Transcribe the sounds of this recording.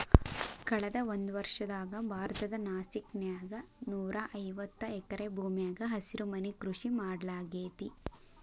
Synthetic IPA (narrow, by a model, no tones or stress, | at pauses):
kɐɭɐd̪ɐond̪uʋɐɾʂɐd̪aːɡɐbʱaːɾɐt̪ɐd̪ɐnaːsiknjaːɡɐnuːɾɐʔɐjʋɐt̪ːɐɛkɐɾe̞bʱuːmjaːɡɐɦɐsiɾumɐnikɾuʂimaːɽlaːɡeːt̪i